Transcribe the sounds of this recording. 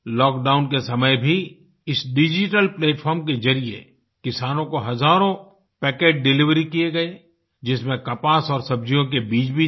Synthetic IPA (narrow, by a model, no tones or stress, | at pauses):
lɔːkɖaːʊnkesɐməjbʱi | ɪsɖɪd͡ʒɪʈəlpleːʈfʰɔːɾmked͡ʒɐɾijḛ | kɪsaːnõkoɦɐzaːɾõ | pɛːkeːʈ̚ɖɪlɪʋɾikieɡɐe | d͡ʒɪsmẽkɐpaːsɔːɾsɐb̚d͡ʒijõkebiːt͡ʃbʱi